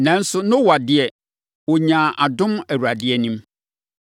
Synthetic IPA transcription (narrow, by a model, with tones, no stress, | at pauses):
nã˨˦n̩˦sʊ˦nʊ̃˦wa˨dɪ˦ɛ˨ | wɔ˨ɲã˨ʔa˨dʊ̃˦mæ˨wu˨ɾa˨dɪ˦ɛ˦˨nĩ˦m